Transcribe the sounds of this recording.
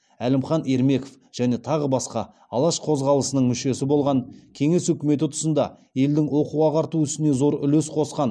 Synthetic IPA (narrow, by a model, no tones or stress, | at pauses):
ælɪmχɑne̞ɾme̞ko̥f | ʒ̥æne̞t̪ʰɑʁəbɑsqɑ | ɑlˠɑʃqʰo̞zʁɑlˠəsənəɴmʏʃe̞sɪbo̞lˠʁɑɴkʲʰe̞ŋe̞swɵkʲɪme̞t̪̬ɪt̪ʰʊ̥sənd̪ɑ | e̞ld̪ɪŋwo̞quʁɑqʰɑɾt̪uʏst̪ɪne̞zo̞ɾʏlesqʰo̞sqɑn